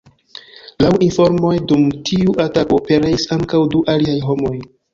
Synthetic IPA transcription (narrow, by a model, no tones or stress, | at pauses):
lawʔinfo̞ɾmo̞jdumtʰiuʔatakope̞ɾeisaŋkawduʔaliajɦo̞mo̞j